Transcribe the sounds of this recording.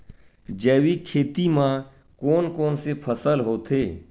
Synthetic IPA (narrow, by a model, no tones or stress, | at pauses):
d͡ʒɛːwikʰeːt̪imã | koːnkoːnsepʰəsəlɦoːt̪ʰeː